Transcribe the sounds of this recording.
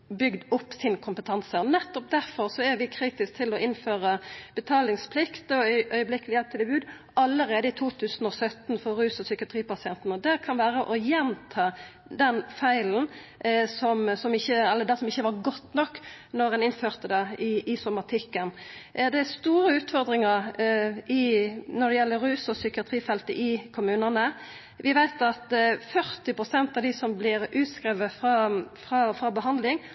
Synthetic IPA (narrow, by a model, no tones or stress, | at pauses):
bʏɡd̪ʊpːsɪnkʰʊmpət̪ʰɑnsəɔnɛt̪ːɔp̚d̪æʁfɔʁsɔæɾʋɪkʰɾiːt̪ɪsk̚t̪ʰɪlɔɪnføːɾəb̥ət̪ʰɑːlɪŋspʰlɪkt̪ɔʔœʏəblɪkːəlɪjɛlp̚t̪ʰɪlɛbʉːd̪ | ɑlːəɾeːd̪əɪt̪ʰuːt̪ʰʉːsn̩ɔsœt̪nfɔɾʉːsəsʏkɪɑt̪ʰɾiːpɑsɪɛnt̪n̩ɔd̪ɛkʰɑnʋæːɾəʔɔjɛnt̪ʰɑː | d̪ɛnfæɪln̩sɔmsɔmɪçːəɛlːəd̪ɛsɔmɪçːəʋɑɾɡɔt̪ːnɔkːnɔɾɛnɪnføːʁt̪əd̪ɛɪɪsɔmɑt̪ʰɪkːənd̪ɛæst̪uːɾəʉːt̪fɔɾd̪ɾɪŋəɾʔɪnɔd̪ɛjɛlːəɾʉːsɔsʏkɪɑt̪ʰɾiːfɛlt̪əʔɪkʰʊmʉːnənə | ʋɪʋæɪt̪ɑt̪fœɾt̪ɪpɾʊsɛnt̪ɑʋd̪ɪsɔmblɪɾʔʉːt̪skɾɛʋəfɑfɾɑfɾɑbəɦɑnd̪lɪŋ